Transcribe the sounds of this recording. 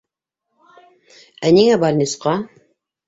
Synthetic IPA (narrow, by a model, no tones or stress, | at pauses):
æniŋæbɑɾnʲisqɑ